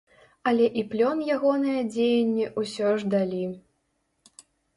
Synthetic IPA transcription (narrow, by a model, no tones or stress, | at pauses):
ɐlʲɛʔiplʲɔnjaɣɔnɨjɐd͡zʲejɛnʲːɛʔusʲɔʐd̪alʲi